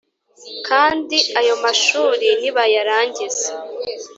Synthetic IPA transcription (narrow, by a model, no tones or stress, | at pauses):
kʰaːndiajo̞maʃuːɾiniβajaɾaːɲɟize